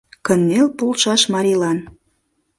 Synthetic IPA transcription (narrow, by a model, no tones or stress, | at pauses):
kənːelpolˠʃɑʃmɑɾʲilɑn